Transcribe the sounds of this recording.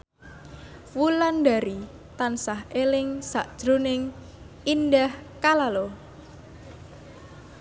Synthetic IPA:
wulandaɾi | t̪ansaɦelɪŋsaʔd̥ʒ̥ɾunɪŋ | indahkalalo

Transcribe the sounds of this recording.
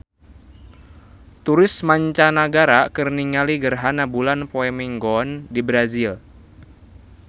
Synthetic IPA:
t̪uɾɪsmaɲt͡ʃanaɡaɾakərniŋaliɡərɦanabulanpoɛmiŋɡɔndibɾazil

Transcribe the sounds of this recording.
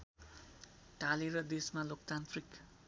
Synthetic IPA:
ʈaliɾʌd̪esmalokt̪ant̪ʰrik

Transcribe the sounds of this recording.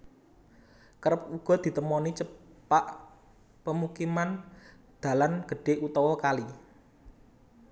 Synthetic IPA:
kəɾəp̚uɡ̥ɔ̤d̪̥i̤t̪əmɔnit͡ʃəpaʔ | pəmukiman | d̪̥ä̤lanɡ̥ə̤ɖ̥e̤ʔut̪ɔwɔkali

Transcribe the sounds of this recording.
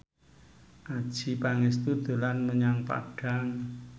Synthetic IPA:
ʔad̥ʒ̥i̤paŋɪst̪ud̪̥ṳlanməɲaŋpa̰ɖ̥a̤ŋ

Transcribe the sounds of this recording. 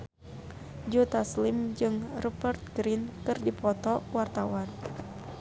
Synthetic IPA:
d͡ʒut̪aslimd͡ʒɨŋrupərt̪̚ɡɾinkɨrdipɔt̪ɔwart̪awan

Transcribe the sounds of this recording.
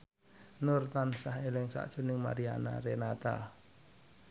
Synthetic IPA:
nʊrt̪ansahelɪŋsa̰ʔd̥ʒ̥ṳnɪŋma̰ɾia̰na̰ɾenat̪a̰

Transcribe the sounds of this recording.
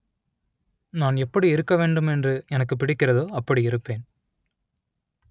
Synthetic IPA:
naːnɛpːɐɽiɪɾɯkːɐʋeːɳɖɯmɛndrɯɛnɐkːɯp̬ːɪɽɪkːɪrɐðoːɐpːɐɽiɪɾɯpːeːn

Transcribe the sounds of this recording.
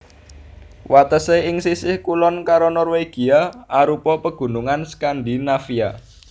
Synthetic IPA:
wat̪əseɪŋsisɪhkulɔnkaɾonɔrweɡ̥i̤aaɾupɔpəɡ̥ṳnuŋanskandinafia̰

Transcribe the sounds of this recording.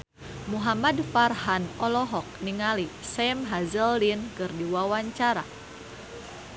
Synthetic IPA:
muɦamadfarɦanɔlɔɦɔk̚niŋalisɛmɦazəldinkɨrdiwawaɲt͡ʃaɾa̰

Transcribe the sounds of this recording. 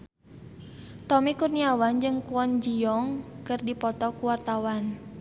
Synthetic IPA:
t̪ɔmikurniawand͡ʒɨŋkuɔnd͡ʒiɔŋkɨrdipɔt̪ɔkuwart̪awan

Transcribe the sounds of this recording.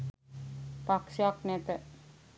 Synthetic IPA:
paksjaknɛt̪ə

